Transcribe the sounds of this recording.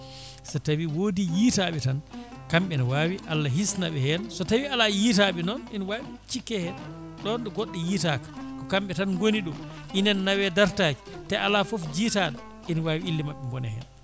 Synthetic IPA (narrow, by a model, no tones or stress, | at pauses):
sɔtawiwoːdijiːtaɓɛtankamɓɛnɔwaːwiʔalːaɦisnaɓɛhɛnsɔtawialajitaɓɛnɔninwaɓit͡ʃikːɛhɛ | ɗɔnɗɔɡɔɗːɛjiːtakḁkɔkamɓɛtanɡoniɗum | ʔinɛnːawɛdaɾtaki̥tɛʔalafɔfd͡ʒiːtaɗa | inwaːwiilːimaɓːɛmbɔnɛ̰hɛ̰n